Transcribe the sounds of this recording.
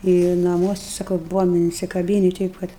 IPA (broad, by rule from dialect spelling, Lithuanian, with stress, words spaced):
ɪ nɐˈmuɔsʲɪ ˈsɑːkɐʊ ˈbʊʋoːm ɪnʲsʲɪkɐˈbʲiːnʲɪ ˈtʲɛɪp ˈkɐt